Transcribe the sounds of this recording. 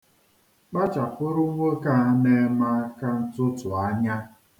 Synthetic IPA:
k͡pa˦t͡ʃa˨kʷʊ˦ɾʊ˦ŋʷe˦ka˨˦ne˨˦ma˦ka˦n̩˦tʊ˦tʊ˨a˦ɲa˦

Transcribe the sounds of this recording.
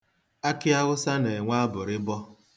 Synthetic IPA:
a˦kɪ˦a˦ɣʊ˦sa˦ne˨ŋʷa˦a˦bʊ˨ɾɪ˦bɔ˦

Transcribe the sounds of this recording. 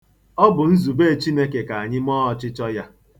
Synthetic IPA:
ɔ˦bʊ˨n̩˦zu˨be˦˨t͡ʃi˦ne˦ke˨ka˨a˨ɲɪ˦mɔː˦ɔ˦t͡ʃɪ˦t͡ʃɔ˦ja˦

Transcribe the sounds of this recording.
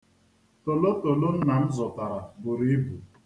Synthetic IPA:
to˨lo˦to˨lo˦n̩˦na˨m̩˦zɔ˨ta˨ɾa˨bʊ˨ɾi˦bu˨

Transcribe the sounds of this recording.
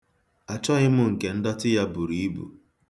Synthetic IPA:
a˨t͡ʃɔ˦ɣɪ˦mʊ˦ŋ̩˨ke˨n̩˦dɔ˦tɪ˦ja˦bu˨ɾi˨˦i˦bṵ˨

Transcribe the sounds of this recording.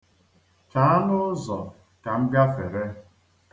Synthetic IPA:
t͡ʃa˨a˦nʊ˦zɔ˨ | ka˨m̩˦ɡa˦fe˨ɾe˦

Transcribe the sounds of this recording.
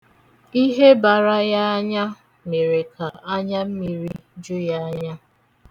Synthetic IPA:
i˦ɦe˦ba˨ɾa˦ja˦a˦ɲa˦ | me˨ɾe˨kʰa˨a˦ɲa˦m̩˦mi˨ɾi˦d͡ʒu˦ja˦a˦ɲa˦

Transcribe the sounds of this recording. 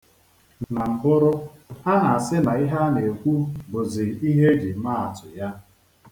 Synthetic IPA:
na˨m̩˨bʊ˦ɾʊ˦a˦ɦa˨sɪ˦na˨i˦ɦa˦ne˨kʷu˦bʊ˨zɪ˨i˦ɦe˦d͡ʒi˨ma˦a˨tʊ˨ja˦

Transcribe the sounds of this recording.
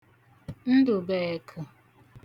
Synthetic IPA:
n̩˦dʊ˨be˨e˨kʰʊ˨

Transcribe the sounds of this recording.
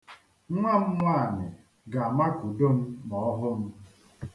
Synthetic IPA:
ŋʷa˦m̩˦ŋʷa˦a˨nɪ˨ | ɡa˨a˨ma˦ku˨do˦m̩˦mɔ˨ɔ˦ɦʊ˦m̩˦

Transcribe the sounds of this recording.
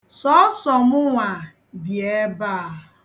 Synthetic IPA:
sɔ˦sɔ˨mʊ˦ŋʷa˨ | dje˦ba˦˨

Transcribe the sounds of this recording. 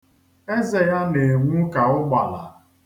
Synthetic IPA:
e˦ze˨ja˦ne˨ŋʷu˦ka˨ʊ˦ɡ͡ba˨la̰˨

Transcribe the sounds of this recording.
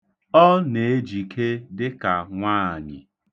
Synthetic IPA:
ɔ˦ne˨e˦d͡ʒi˨kʰe˦dɪ˦ka˨ŋʷaː˦˨ɲɪ˨

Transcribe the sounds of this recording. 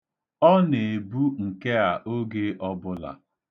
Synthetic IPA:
ɔ˦ne˨bu˦ŋ̩˨ke˦a˨ʔo˦ɡe˦ʔɔ˦bʊ˦la̰˨

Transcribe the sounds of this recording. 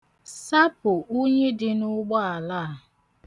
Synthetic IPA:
sa˦pʊ˨ʔo˦ɲe˦dɪ˦nʊ˦ɡ͡bɔ˦a˨laː˦˨

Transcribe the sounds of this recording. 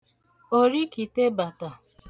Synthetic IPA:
o˦ɾi˦ki˨te˦ba˨ta˨

